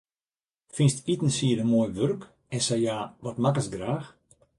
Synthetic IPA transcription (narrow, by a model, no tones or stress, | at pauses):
finstitən̩siədəmoːjʋørk | ɛnsɛjaːʋɔtmakəsɡraːx